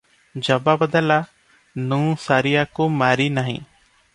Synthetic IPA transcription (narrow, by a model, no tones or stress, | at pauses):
d͡ʒəbabəd̪əla | nũːsaɾijakumaɾinaɦḭ̃